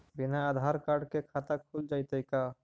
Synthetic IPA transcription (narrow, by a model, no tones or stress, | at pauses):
binaːd̪ʱaɾkaɾɖkekʰat̪akʰuld͡ʒajt̪əjka